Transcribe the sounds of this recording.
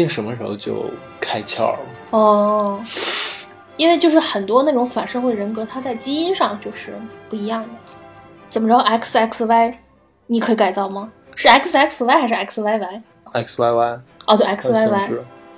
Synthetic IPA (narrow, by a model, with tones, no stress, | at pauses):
ɛ˥˩ʂə˧˥mə˧ʂɻ̩˧˥xo˧ʊt͡ɕjo̰˥˧ʊ | kʰa˥ɪt͡ɕʰjɑ̰˥˩ʊ | ɔ˥˩ | i˥nwe˥˧t͡ɕjo˥˧ʊʂɻ̩˥˩xə˨˩nt̪wɔ˥na˥˩ʈ͡ʂʊ˧˥ŋfa˨˩nʂɤ˥ŋxwe˥˩ɪɻə˧˥nkɤ˧˥t̪ʰa˥t͡sa˥˩ɪt͡ɕi˥ŋi˥nʂɑ˥˧ŋt͡ɕjo˥˧ʊʂɻ̩˥˩pu˥˩i˧˥jɑ˥˩ŋd̪ə˩ | t͡sə˨˩mə˦ʈ͡ʂɻ̩˥ɑ˥˧ʔɛ˥ksɛ˥˩kswa˥ɪ | ni˨˩kʰɤ˧˥i˧˥ka˨˩ɪt͡sɑ˥˩ʊmɐ˩ | ʂɻ̩˥˩ɛ˥ksɛ˥kswa˥ɪxa˧˥ɪʂɻ̩˥˧ɛ˥kʰswa˥ɪwa˧˥ɪ | ɛ˧˥˩kswa˧˥ɪwa˥ɪɔ˧˩t̪wɛ˥kʰswa˥ɪwa˧˥ɪ˥